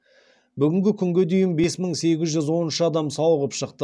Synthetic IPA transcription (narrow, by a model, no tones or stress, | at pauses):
bʏɡʲɪŋɡʲɪkʲʰʏŋɡʲed̪ejɪmbe̞sməɴse̞ɡʲɪzʒʏzwo̞nənʃəɑd̪ɑmsɑwəʁəpʃəqt̪ə